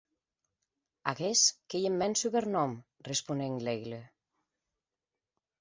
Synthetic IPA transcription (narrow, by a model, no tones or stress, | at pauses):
a̰ɣeskejimːɛnsuβeɾnɔm | respuneŋleɣle